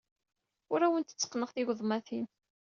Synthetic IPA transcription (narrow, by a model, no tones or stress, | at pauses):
ʊɾæwənt̪ə̥t͡sːə̥qːnəʁθiʝʷðˤmæθin